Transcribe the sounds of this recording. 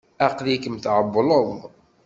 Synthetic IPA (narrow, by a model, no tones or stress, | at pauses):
æqlikəmθʕəbːləð